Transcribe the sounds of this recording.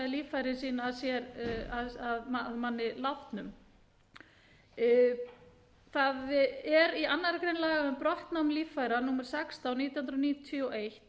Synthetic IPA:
ɪliːffajɾɪnsiːnaːðsjɛɾaðaðmaðmanːɪlaft̪nʏm | θaðɛɾianːaɾakɾejnlaːɣaʏmpɾɔht̪nawmliːffajɾanuːmɛɾ̥sɛkst̪awniːt̪jhunɾniːt̪t̪ʰʏɔʔejht̪

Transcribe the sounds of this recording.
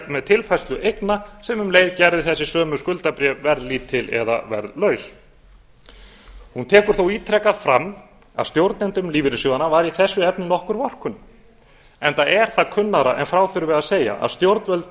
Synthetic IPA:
mɛðt̪ʰɪlfajst̪ʏʔejknasɛmʏmleːjðcajɾðɪθɛsːɪsœːmʏskʏlt̪apɾjɛvɛɾðlit̪ʰɪlɛ̰ða̰vɛ̰ɾðlœːɥs | hunt̪ʰɛːkʏɾ̥θowiːt̪ʰɾɛkaðfɾam | a̰ðst̪jowɾt̪nɪnt̪ʏmliːvɪɾʏsjoðanavaɾiθɛsːʏɛpnɪnɔhkʏɾvɔr̥kʰʏn | ɛnt̪aɛɾ̥θaðkʰʏnːaɾaʔɛnfɾawθʏɾvɪðaðseːja̰ʔa̰ðst̪jowɾt̪vœlt̪

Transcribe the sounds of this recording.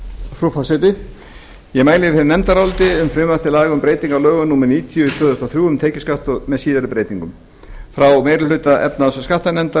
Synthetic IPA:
fɾufasɪt̪ɪ | jɛmaːjlɪfɛɾɪnɛmt̪aɾawlt̪ɪʏmfɾʏmaft̪ɪlaːɣʏmpɾeːjt̪iŋkalœːɣʏnuːmɛɾniːt̪ʰijʏt̪ʰœːðʏst̪awθɾjuːʏmt̪ʰɛːcɪskaht̪ɔɣmɛðsiːðaɾʏpɾeːjt̪iŋkʏm | fɾawmeːɾʏlʏɥt̪aʔɛ̰p̚nasskaht̪anɛmt̪a

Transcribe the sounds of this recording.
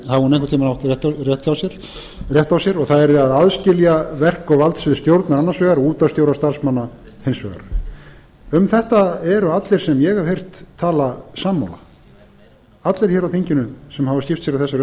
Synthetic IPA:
havhunejŋkʏt̪ʰiːmnawht̪ɛht̪rjɛht̪jawsjɛɾ̥ | rjɛht̪awsjɛɾɔɣθaðɛɾðɪaðaðscɪljavɛr̥kɔvalt̪sɪðst̪jowɾt̪naɾanːansvɛːɣaɾɔuːt̪ast̪jowɾast̪aɾ̥smanːa | hejnsvɛ̰ɣa̰ɾ | ʏmθɛht̪aɛɾʏat̪lɛɾ̥sɛmjɛɣavhejr̥t̪ʰːaːlasamːa̰wla̰ | at̪lɛɾ̥çɛːɾawθejɲcɪnʏsɛmhavascɪft̪sjɛɾawθɛsaɾ

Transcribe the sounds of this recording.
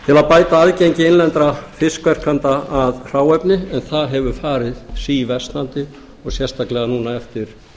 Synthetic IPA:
t̪ʰɪlapaːjt̪aaðcejɲcɪɪnlɛnt̪ɾafɪskvɛr̥kʰant̪aaðr̥aːwɛpnɪɛnθaðɦɛvʏfaːɾɪðsiːvɛst̪nant̪ɪ | ɔɣsjɛrst̪ʰaklɛɣanuːnaɛft̪ɪɾ̥

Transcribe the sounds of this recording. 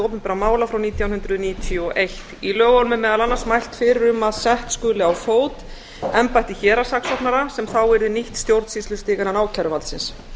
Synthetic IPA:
owpʏmpɛɾamaːwlafɾawniːt̪ʰjawnʏnd̪ɾʏðniːt̪ʰjɔʔejht̪ilœːɣɔlmɪmɛːðalanːasmajl̥t̪fɪɾɪɾʏmaðsɛht̪skʏːlɪawfoːwt̪ | ɛmpajht̪ɪçɛːɾasaksɔht̪naɾasɛmθawɛɾðɪniht̪st̪jowɾt̪siːslʏst̪ɪːɣananaːwcʰaɾʏvalsɪns

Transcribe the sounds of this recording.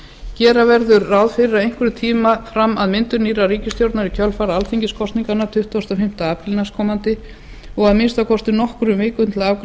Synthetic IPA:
cɛːɾavɛɾðʏɾːaːwðfɪɾɪɾaðejŋ̥kvʏɾʏt̪ʰiːmafɾamːaðmɪnt̪ʏniːraɾiːcɪst̪jowɾt̪naɾicʰœlfaɾaalθiɲcɪskʰɔst̪niŋkanat̪ʰʏht̪vast̪afɪm̥t̪aaːpɾilnaskʰɔːmant̪ɪ | ɔɣaðmɪnst̪awkʰɔst̪ɪnɔhkɾʏvɪːkʏnt̪laːwk

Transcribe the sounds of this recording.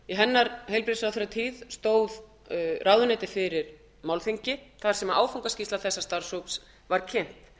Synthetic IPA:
iɦɛnːaɾhejlpɾɪsaθɛɾat̪ʰiːðst̪oːwð | rʔawðʏnɛjt̪ɪfɪɾɪɾ | mawlθiɲcɪθaɾ̥sɛmaʔaːwfowŋkascislaθɛsːast̪ar̥sowps | vaɾ̥cʰɪn̥t̪

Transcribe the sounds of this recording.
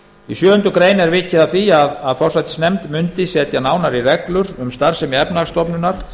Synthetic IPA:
isjœːhʏnt̪ʏkɾeːjnɛɾvɪcːɪðaθiːjaðaðfɔr̥sat̪ɪ̥snɛmt̪mʏnt̪ɪsɛːt̪janaːwnaɾirɛklʏɾʏmst̪aɾ̥sɛmiɛpnast̪ɔpnʏnaɾ̥

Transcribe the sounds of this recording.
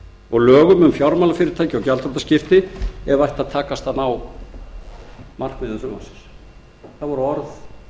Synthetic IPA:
ɔɣlœːɣʏmʏmfjawɾmawlafɪːɾɪɾt̪ʰajcɪawcalt̪ɾɔt̪ascɪft̪ɪɛɾvajht̪aðt̪ʰaːkast̪anaw | mar̥kmɪðɪθʏma̰sɪ̥s | θavɔɾʏɔɾð

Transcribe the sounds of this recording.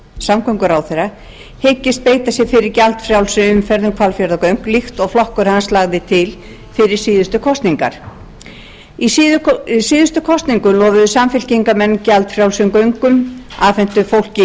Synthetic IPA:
samkʰœɥŋkʏɾawθera | hecːɪst̪̚peːjt̪asjɛɣfɪɾɪɾcalt̪fɾjawlsʏʏmfɛɾðʏmkʰvalfjɛɾðakœɥŋ̥klixt̪ɔɣflɔhkʏɾ̥hanslaːɣðɪt̪ʰɪl | fɪɾɪɾ̥siːðʏst̪ʏkʰɔst̪niŋka̰ɾ̥ | issiːðʏst̪ʏkʰɔst̪niŋkʏlɔːvʏðʏsamfɪl̥ciŋkamɛnːcalt̪fɾjawlsʏmkœɥŋkʏmaːfɛn̥t̪ʏfowl̥cɪ

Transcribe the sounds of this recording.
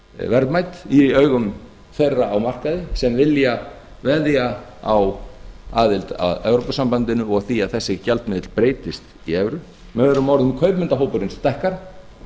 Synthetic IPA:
vɛɾt̪majt̪iœɥɣʏm | θejrːaawmar̥kaðɪsɛmvɪlja | vɛðjaa̰waːðɪlt̪a̰ðœːwɾowpasampant̪ɪnʏɔɣθiaðθɛsːɪcalt̪mɪːðɪt̪l̥pɾeːjt̪ɪst̪ | iɛvɾʏ | mɛɛɾʏmːawɾðʏmkʰœɥpmɪnt̪aɦowpʏɾɪnst̪ɛhkaɾ̥

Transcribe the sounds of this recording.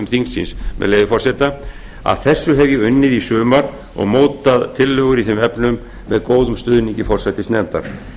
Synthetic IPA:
ʏmθiŋsḭnsmɛ̰ðleːjvɪfɔrsɛt̪a | a̰ðθɛsːʏɦɛvjɪʏnːɪðisʏːmaɾ | ɔ̰ɣmoːwt̪aðt̪ʰɪlːœɣʏɾiθɛmɛpnʏmː | ɛðkoːwðʏmst̪ʏðniɲcɪfɔr̥sɛt̪ɪsnɛmt̪a̰ɾ̥

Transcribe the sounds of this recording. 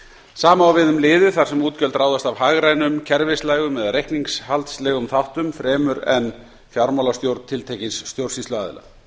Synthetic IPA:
saːmaawvɪðʏmlɪːðɪθar̥sɛmuːt̪cœlt̪ɾraːwðast̪avɦaɣɾajnʏmcʰɛɾvɪslajɣʏmɛðarejhkniŋshalt̪slɛːɣʏmθawht̪ʏmfɾɛːmʏɾɛ̰n | fjawɾmawlast̪jowɾt̪nt̪ʰɪlt̪ʰeːjcɪnsːt̪jowɾsislʏa̰ːðɪ̰la̰

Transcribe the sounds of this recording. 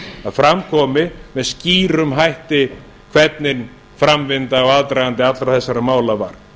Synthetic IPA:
aðfɾamkʰɔːmɪmɛðsciːɾʏmɦajht̪ɪ | kʰvɛt̪̚nɪn | fɾamvɪnt̪aɔɣaðt̪ɾajɣant̪̬ɪat̪lɾawθɛsːaɾamaːwlavaɾ̥

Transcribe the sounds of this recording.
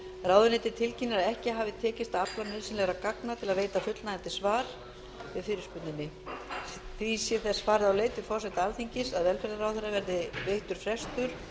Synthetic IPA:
raːwðʏnɪt̪ɪt̪ʰɪlcinːɪɾaðɛhcɪɦaːvɪt̪ʰɛːcɪst̪aaplanɪlsɪnɛɣɾakaknat̪ʰɪlaðveːjt̪afʏt̪lnaɛnt̪ɪsvaːɾ̥ | vɪðfɪːɾɪ̥spʏt̪nɪnːɪ | θvisjɛθɛsːfaːɾɪðawleːjt̪ɪ̥fɔɾ̥sɛht̪alθiɲcɪsaðvɛlfɛɾðaɾawθɛrːavɛɾðɪvejht̪ʏɾ̥fɾɛst̪ʏɾ̥

